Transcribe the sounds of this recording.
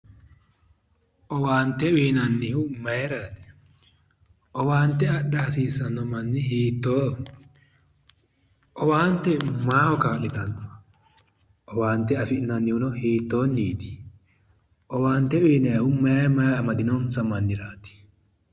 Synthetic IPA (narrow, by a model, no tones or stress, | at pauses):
ʔɔwaːnt̪ɛwiːnɐnːɪhʊmɐjɛɾaːt̪ɪ̥ | ʔɔwaːnt̪ɛɐɗɐhɐsiːsɐnːɔmɐnːɪhiːt̪ːoː | ʔɔwaːnt̪ɛmaːhɔkaːlɪt̪ɐnt̪ʊ̥ | ʔɔwaːnt̪ɛɐfɪʔnɐnːɪhʊnɔhiːt̪ːoːnːiːᶑ̪ɪ̥ | ʔɔwaːnt̪ɛwiːnɛhʊmɐmɐɐmɐd̪ɪnɔnsɐmɐnːɪɾaːt̪ɪ̥